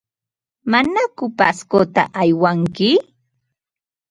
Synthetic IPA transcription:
manakʊpaskot̪a̰ʔajwaŋkɪ

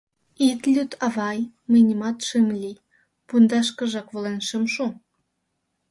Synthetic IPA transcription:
it̪lʲyt̪ʰɑβɑj | mənʲəmɑt̪ʃəmlʲi | pund̪ɑʃkə̆ʒɑkβolenʃəmʃu

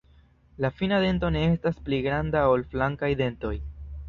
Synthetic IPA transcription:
lafinade̞nto̞ne̞e̞staspliɡɾandao̞lflaŋkajd̪e̞nto̞j

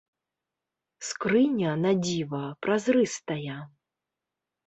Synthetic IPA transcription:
skɾɨnʲɐnadd͡zʲivɐpɾazrɨst̪ɐjɛ

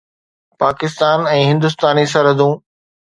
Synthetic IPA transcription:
paːkɪst̪aːnɛ̃ːɦɪ̃nd̪ʊs̬t̪aːnisɐɾɦəd̪ũː

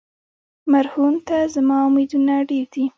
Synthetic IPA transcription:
maɾhunt̪azamɑumed̪unaɽeɾd̪i

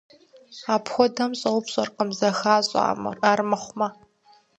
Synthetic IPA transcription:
aːpxʷɔdɐmɕʼɐwpɕʼɐrqəmzɐxaːɕʼa̰maːrmɐχʷma

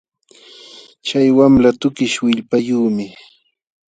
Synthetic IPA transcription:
t͡ʃajwamlat̪ʊkɪʃwɪʎpajuːmɪ

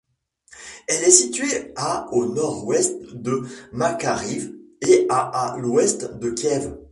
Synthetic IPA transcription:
ɛlɛsit̪ɥeaonɔʁwɛst̪d̪əmakaʁiveaːlwɛst̪d̪əkʲjɛv

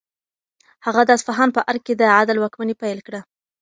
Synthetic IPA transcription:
haɣad̪ɑsfaɦɑnpəʔaɾked̪əʕad̪alwakmanepajlkɽa

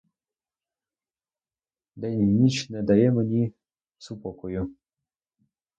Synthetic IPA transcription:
d̪ɛnʲimnʲit͡ɕnɛd̪ɑjɛmenʲi | supɔkɔju

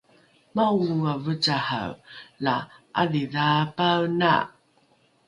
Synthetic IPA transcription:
mauuavət͡saha̰wlaʔaðiðapawna̰

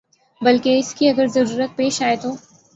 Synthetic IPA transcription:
bɐlkeɪskiɐɡəɾzɐɾuːɾət̪̚peːʃaːet̪oː

